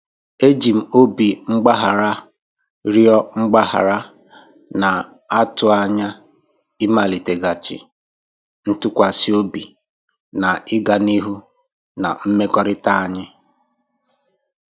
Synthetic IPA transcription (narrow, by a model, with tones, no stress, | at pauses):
e˦d͡ʒi˨m̩˨o˦bi˨ŋ͡m̩˦ɡ͡ba˦ɦa˨ɾa˦ | ɾjɔ˦ŋ͡m̩˦ɡ͡ba˦ha̰˨ɾa˦ | na˨ | a˦tʊ˨a˨ɲa˦ | ɪ˦ma˨li˨te˨ɡa˨t͡ʃɪ̰˨ | n̩˦tʊ˦kʷa˨si˦o˦bi˨ | na˨ɪ˦ɡa˨ni˦ɦu˦ | na̰˨m̩˦me˦kɔ˦ɾɪ˦ta˦a˦ɲɪ˦